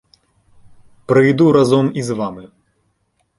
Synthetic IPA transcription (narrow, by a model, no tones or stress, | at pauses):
pɾɨjd̪uɾazɔmizʋamɨ